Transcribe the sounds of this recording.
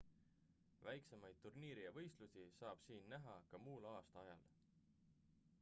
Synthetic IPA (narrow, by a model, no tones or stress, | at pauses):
væjkse̞mɑjd̪̥̚t̪ːurniːɾijɑvɤ̞jst̪lusisɑːb̥siːnːæɦɑkɑmuːlɑːst̪ɑɑjɑl